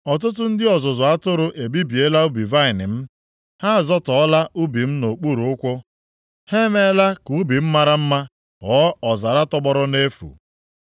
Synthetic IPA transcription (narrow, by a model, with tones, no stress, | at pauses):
ɔ˨t̬ʊ˦t̬ʊ˦n̩˦dɪ˦ɔ˨zʊ˨zʊ˨a˦tʊ˦ɾʊ˨ʔe˨bi˦bi˨e˦la˦u˦bi˨va˦˨ɪ˨nɪ˨m̩˦ | ha˦˨zɔ˦tɔ˨ɔ˦la˦ʔu˦bi˨m̩˦no˨k͡pu˦ɾu˨˦ʊ˦kʷʊ˦ | he˦me˦la˦ku˨˦bi˨m̩˦ma˦ɾa˦m̩˦ma˦ | ɦɔ˨˦ɔ˨za˨ɾa˦tɔ˦bɔ˦ɾʊ˦ne˦fṵ˨